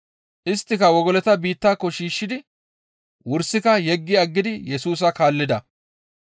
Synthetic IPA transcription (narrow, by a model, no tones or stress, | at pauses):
ʔɪst̪ːɪkɐwɔɡɔlɛt̪ɐbiːt̪ːaːkːɔʃiːʃːɪd̪ɪ | wʊɾsɪkɐjɛɡːɪɐɡːɪd̪ɪjɛsuːs̬ɐkaːlːɪd̪ɐ